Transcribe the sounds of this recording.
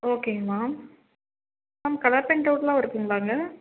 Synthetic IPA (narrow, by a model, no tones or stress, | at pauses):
oːkeːmaːm | aːmkɐlɐpːɛɳʈɐʋʈlãːɪɾɯkːɯŋɡɐʋaːŋɡɐ